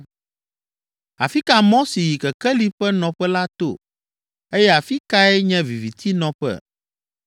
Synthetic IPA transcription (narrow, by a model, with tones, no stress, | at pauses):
a̰˨fi˦ka˨mɔ̃˦si˨ji˨kɛ˨kɛ˦li˦ɸɛ˦nɔ̃˨ɸɛ˦la˦t̪o̰˦˨ | e˦jɛ˦a˨fi˦ka˦ɛ˦ɲɛ̃˦vi˨vi˨t̪ʰi˦nɔ̃˨ɸɛ̰˦˨